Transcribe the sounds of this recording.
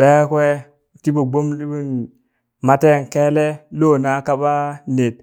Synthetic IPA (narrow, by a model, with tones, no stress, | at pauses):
be˦kwe˦˨ | ti˦bo˨ɡ͡bo˦mli˦bu˦n | ma˦te˦˨ŋ˨ke˦le˦lo˦˨na˦ka˦ba˦ne˨t̚